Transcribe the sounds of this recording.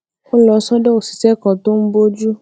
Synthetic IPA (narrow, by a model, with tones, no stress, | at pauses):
o˦lɔ˧sɔ̃˦dɛ˦o˨si̥˨sɛ˦kɔ̃˨˧to˦m̩˦bo˦d͡ʒu˦